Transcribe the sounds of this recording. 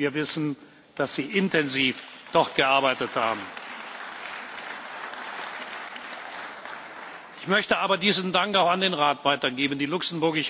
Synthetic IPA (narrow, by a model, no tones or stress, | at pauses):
iːɐvɪsn̩ | d̥asz̥iːʔɪntɛnziːfd̥ɔʁt̚ɡ̥əʔaɐbaɪtətha̰ːbm̩ | ʔɪçmœçtəʔaːbɐdiːzn̩daŋkaʊxandeːnʁaːtv̥aɪtɐɡeːbən̩diːlʊksən̩bʊɐɡɪʃ